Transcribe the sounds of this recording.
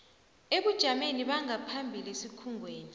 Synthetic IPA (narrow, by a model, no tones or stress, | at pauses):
eɓud̥ʒ̥ʱameniɓaŋapʰambʱilesikʰuŋʱweːni